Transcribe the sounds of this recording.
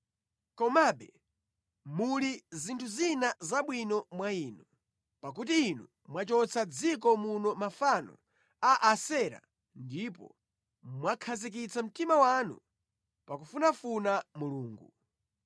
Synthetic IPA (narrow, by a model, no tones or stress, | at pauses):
kɔmaɓɛ | mulizintʰuzinazaɓwinɔmwaiːnu | pak̬utiːnu | mwat͡ʃɔt͡sʰad͡zikɔmunɔmafanɔ̰ | aʔasɛɾa̰ | ndipɔ̰ | mwakʰazik̬it͡sʰam̩timawanṵ | pakufunafunamuluːŋɡu